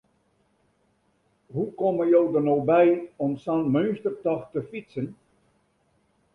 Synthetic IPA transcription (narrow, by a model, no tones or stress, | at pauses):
ɦukoməjowdərnowbɛjɔmsanmønstərtɔxtəfitsən